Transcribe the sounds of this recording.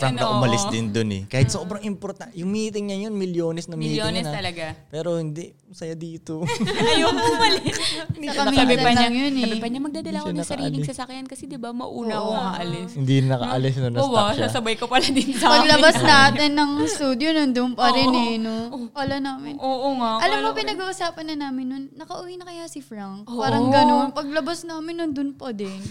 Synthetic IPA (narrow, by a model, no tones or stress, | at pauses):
t̪ɾamp̚nɐʔʊmɐlɪsd̪ɪnd̪onɛ̰kaːhɪt̪soːbɾɐŋɪmpoɾt̪ajʊŋmiːt̪ɪŋɲɐjonmɪljoːnɛsnɐmiːt̪ɪŋsnɐt̪ɐlɐɡapɛːɾo̞hɪnd̪iʔmɐsɐjad̪iːt̪ojoŋʊmɐlɪssɐkɐmɪbɛɐɐnaŋjonɐɛpɐɲɐmɐɡ̚d̪aːd̪ɐlakːɐɾiːɪsɐsɐkjankɐsɛd̪ɪbamɐ̰ʔuːnɐkoɐkɐʔɐlɪshɪnd̪inɐkɐ̰ʔɐlɪsnonɐwasɐsɐbajkopɐlad̪it̪sapɐɡlɐbasnɐʔaːt̪ɛnːɐŋst̪uːd̪jonond̪ʊnpɐɾɛnɛnopɐlanaːmɪnoːʔoŋaʔɐlamːopɪnɐɡuːʔusaːpɐnːɐnaːmɪnːonːɐkɐʔʊwinɐkɐjasɪfɾaŋk̚aːɾɐŋɡɐno̞npɐɡ̚lɐbasnaːmɪnːɐnd̪ʊnpɐd̪ɛn